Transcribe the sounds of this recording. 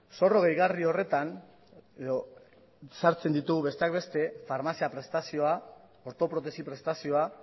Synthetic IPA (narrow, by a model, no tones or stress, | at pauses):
so̞ro̞ɣe̞jɣario̞re̞t̪an | eo | saɾt͡se̞nd̪it̪uɣuβe̞st̪e̞ak̚be̞st̪e̞faɾmasiapɾe̞st̪asio̞a | oɾt̪o̞pɾo̞t̪̬e̞sipɾe̞st̪asio̞a